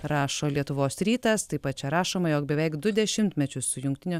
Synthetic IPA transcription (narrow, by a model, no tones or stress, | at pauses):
ɾɑːʃoːlʲiɛt̪ʊʋoːsɾʲiːt̪ɐst̪ɐɪpɐt̪̚t͡ʃʲɛɾɑːʃoːmɐjoːkbʲɛʋʲɛɪkd̪ʊd̪ʲɛʃʲɪmʲt̪ʲmʲɛt͡ʃʲʊssʊjʊŋkt̪ʲɪnʲo